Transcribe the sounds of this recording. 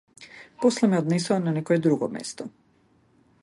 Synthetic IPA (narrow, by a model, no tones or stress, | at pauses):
poslˠemeod̪nesuananekojed̪ɾuɡo̰mjḛst̪o